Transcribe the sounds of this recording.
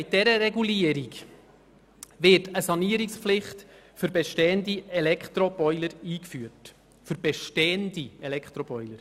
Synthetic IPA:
ɪt̚dɛɾəɾɛɡuliəɾik | ʋɪtəsɑniəɾikspflɪχt̪ | fʏɾbeʃtɛːəndiɛlɛkχt̪ɾɔb̥ɔʏləɾiːkfyət | fʏɾb̥eʃteːəndiɛlɛkχt̪ɾɔbɔʏləɾ

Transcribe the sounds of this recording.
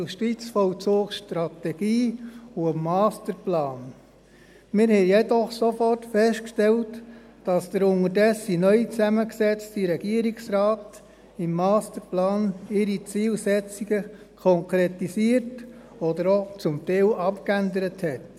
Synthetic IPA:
usʃtit͡sfɔlt͡soːkʃtɾɑt̪ɛɡ̥iːuəmːɑːstəɾplɑːn | mɪɾhɛɪjɛdɔχsofɔrtfɛstkʃtɛlt | d̥ɑsd̥əɾʊŋəɾdɛsinœʏt͡sæməksɛt͡stiɾɛɡ̥iəɾiksɾɑːt | ɪmːɑːstəɾplɑːnɪɾit͡siːlsɛt͡siɡ̥ə | kʰɔŋkɾetisiəɾt | ɔd̪əɾot͡sʊmt̪ɛːlʔɑpkændəɾəthɛt

